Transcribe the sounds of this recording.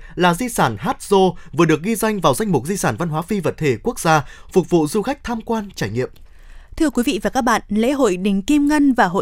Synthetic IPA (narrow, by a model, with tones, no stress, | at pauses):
laː˨˩zi˧saː˧˩nɦaː˦˥t̚z̥o˧vɨ˨˩əɗɨ˨˩ək̚ɣi˧za˧jŋ̟vaː˨˩wza˧jŋ̟mʊ˨˩k͡p̚zi˧saː˧˩nva˧nɦwaː˨˦fi˧və˨˩t̚t̪ʰe˧˩ku˦˥ək̚zaː˧fʊ˨˩k͡p̚vṵ˧˨zu˧xa˦˥k̚t̪ʰaː˧mkwaː˧nt͡ɕaː˧˩jŋḭ˧˨əm | t̪ʰɨ˧əkwi˨˦vḭ˧˨vaː˨˩kaː˦˥k̚ɓa̰ː˧˨nlḛ˧˥ɦo̰˧˨jɗï˨˩ŋ̟ki˧mŋə˧nvaː˨˩ɦo̰˧˨